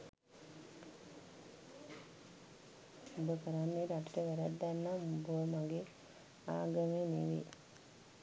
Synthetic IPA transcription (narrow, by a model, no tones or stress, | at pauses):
obəkəɾanːeɾaʈiʈəʋɛɾad̪ːanːamubəmaɡe | aːɡəmeniʋḭ